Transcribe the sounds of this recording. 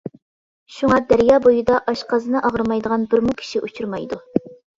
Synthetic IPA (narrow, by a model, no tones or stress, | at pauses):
ʃuŋɑd̪æɾjɑːbojud̪ɑʔɑʃqɑzɨnɨʔɑʁəɾmɑjd̪əʁɑnbɪɾmukʲʰi̥ʃiʔut͡ʃʰuɾmɑjd̪u